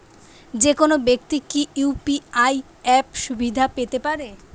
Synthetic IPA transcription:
d͡ʑekonobek̚t̪ikiʔupiaj | ɛpʃubʱid̪ʱapet̪epaɾe

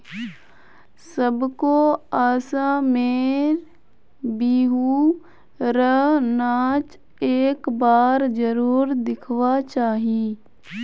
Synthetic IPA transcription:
səbkoaːsãmeːɾ | biːɦuː | ɾəɦnaːt͡ʃ | eːkbaːɾd͡ʒəɾuːɾd̪ɪkʰʋat͡ʃaːɦiː

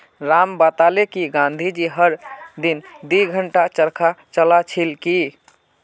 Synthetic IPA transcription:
ɾambat̪alekiɡãnd̪ʱid͡ʒiɦəɾd̪ind̪iɡʱəɳʈat͡ʃəɾkʰat͡ʃəlat͡ʃʰilki

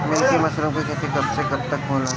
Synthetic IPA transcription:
mẽːkemɐslõkoikɛt̪ekɐbsekɐb̚t̪ɐk̚boːla

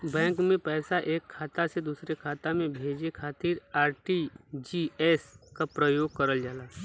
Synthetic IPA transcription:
bɛ̃ːŋkmẽpɛːsaʔeːkʰːaːt̪ased̪uːsɾekʰaːt̪amẽbʱeːd͡ʒekʰaːt̪iːɾaːɾʈid͡ʒiɛːskapɾəjoːɡ̚kəɾəld͡ʒaːlaː

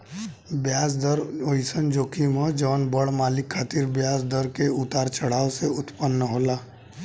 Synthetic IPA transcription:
bjaːs̬d̪əɾoːisənd͡ʒoːkʰimə̃d͡ʒɔːnbəɽmaːlɪkʰːaːt̪iːɾbjaːsd̪əɾkeʊt̪aːɾt͡ʃəɽ̤aːoseʊt̪pənːəɦoːlaː

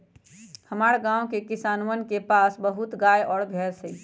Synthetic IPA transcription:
həmaɾɡãwkekisaːnwənkepasbəɦut̪ɡajɔːɽɡʱɛɾsəi

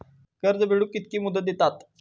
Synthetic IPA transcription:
kəɾd͡zəbʱeɽukːit̪kiːmud̪ət̪̚d̪et̪at̪

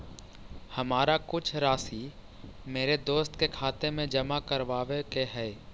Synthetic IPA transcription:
hɐmaːɾakʊt͡ʃʰɾaːsi | meːɾed̪oːst̪kekʰaːt̪emẽd͡ʒɐmakəɾʋaːʋekeɦɛː

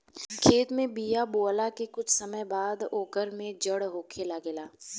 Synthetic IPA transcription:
kʰeːt̪mẽbijaboːlakekʊt͡ʃʰsɐməjbaːd̪oːkəɾmẽd͡ʒəɽɦoːkʰelaɡɪlaː

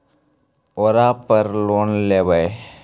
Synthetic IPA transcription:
oːɾaːpəɾloːnleːbəe

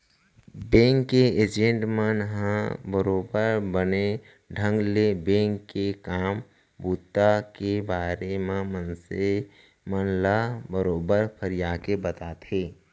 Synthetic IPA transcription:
bẽːŋkːeeːd͡ʒẽɳʈmənɦãbəɾoːbəɾbəne | ɖʱə̃ŋɡlebẽːŋkːekaːm | buːt̪ːakebaːɾemãmənse | mənlabəɾoːbəɾpʰəɾijaːkebət̪aːt̪ɦeː

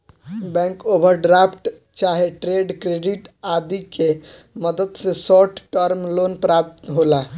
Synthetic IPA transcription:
bɛ̃ŋkobʱəɾɖɾapʰʈ | t͡ʃaɦeʈɾeɖkɾeɖiʈad̪ike | məd̪əd̪sesɔʈʈəɾmlonpɾap̚t̪ɦola

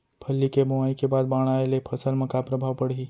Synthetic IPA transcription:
pʰəlːikeboaikebaːd̪̚baːɽ̃aːelepʰɐsəlmɐ̃kapɾəbʱaːʋpəɽiː

